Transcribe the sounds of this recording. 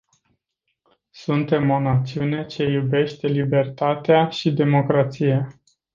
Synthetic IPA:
sunt̪e̞mo̞nat̪siune̞t͡ʃe̞jube̞ʃt̪e̞libe̞rt̪at̪eaʃid̪e̞mo̞kɾat̪sija

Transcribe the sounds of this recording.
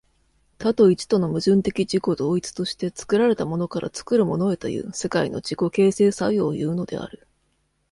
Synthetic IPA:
t̪at̪o̞it͡ɕi̥t̪o̞no̞mɯ̟ʑɨ̃nt̪e̞kʲid͡ʑiko̞d̪o̞ːit͡sɨ̥t̪o̞ɕi̥t̪e̞t͡sɨ̥kɯ̟ɾaɾe̞t̪amo̞no̞kaɾʔa̰t͡sɨ̥kɯ̟ɾɯ̟mo̞no̞e̞t̪o̞̰jɯ̟̰ːse̞kaino̞̰d͡ʑiko̞ke̞ːse̞ːsajo̞ːjɯ̟ːno̞d̪e̞̰a̰ɾɯ̟

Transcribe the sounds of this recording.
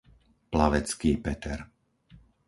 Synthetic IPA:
plaʋɛt͡skiːpɛt̪ɛ̰ɾ

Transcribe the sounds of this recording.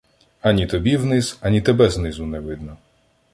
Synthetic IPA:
ɐnʲit̪ɔbʲiwnɪzɐnʲit̪ɛbɛznɪzʊnɛʋɪd̪̚nɔ

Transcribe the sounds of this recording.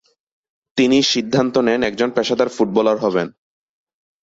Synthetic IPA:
t̪iniʃid̪ʱːant̪onɛnɛk̚d͡ʑonpɛʃad̪aɾfuʈ̚bɔlaɾɦɔβen

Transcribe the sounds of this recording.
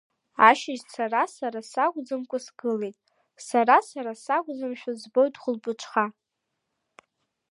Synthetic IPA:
aʃɪʒt͡sʰaɾasaɾasaɡʷʼd͡zɨmkʷʼasɡ̥ɨlejtʼ | saɾasaɾasaɡʷʼd͡zɨmʃᶣazbojdʰʼχʷʊlpʼɨʈ͡ʂʷʰʼχa

